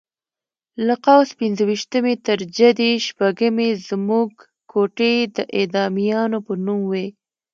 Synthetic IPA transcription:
laqawspɪnzəwiʃt̪əmet̪əɾd͡ʒad̪iʃpaɡəmezmuɡ | kʰoʈed̪əʔed̪ɑmijɑnopənumwe

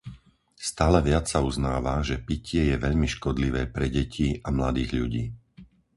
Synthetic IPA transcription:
st̪aːlɛʋɪat͡ssauznaːʋaʒɛpicʰɪɛjɛʋɛʎmiʃkɔd̪liʋɛːpɾɛɟɛcʰiʔamlad̪iːɣʎuɟiː

